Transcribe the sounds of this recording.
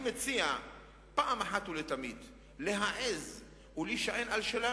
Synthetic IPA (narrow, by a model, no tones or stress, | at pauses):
met͡sia | paʔamaħat̪ulet̪amid̪ | leɦaʔez | uliʃaʔenalʃela